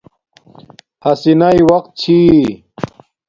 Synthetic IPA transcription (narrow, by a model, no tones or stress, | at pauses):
hɐsinaiwɐqt̪̚t͡ɕʰi